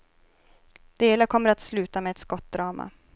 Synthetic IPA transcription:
d̪̥eːlakʰɔmːəɾat̪slʉ̟ːt̪amɛːt̪skɔt̪̚d̪ɾɑːma̰

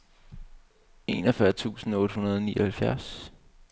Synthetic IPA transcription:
e̝̰nɐfɶɐt͡sʰṵːsn̩ɔ̽ːɾ̥əhunɐð̞ˠɒniːɒhælfjæɐ̰s

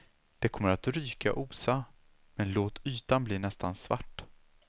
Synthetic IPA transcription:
d̪̥ɛkʰɔmːəɾat̪ɾyːka̰ʔuːsa | mɛnloːt̪yːt̪anbliːnɛst̪ansva̰ʈː

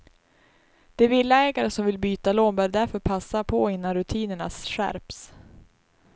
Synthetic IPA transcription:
d̪̥ɛvɪlːaɛːɡaɾəsɔmvɪlbyːt̪aloːnbœːɾɖæɾfœɾpʰasːapʰɔɪnːanɾɵt̪ʰiːnəɳa̰sɧæ̰ɾps

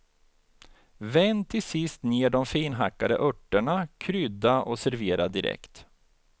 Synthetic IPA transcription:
vɛnt̪ʰːɪsɪst̪neːɖɔmfiːnɦakːad̪ə̰ʔœʈːəɳakʰɾʏd̪aʔɔsæɾveːɾad̪ɪɾɛ̰kt̪

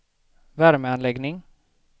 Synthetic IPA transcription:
væɾməanlɛɡnɪŋ

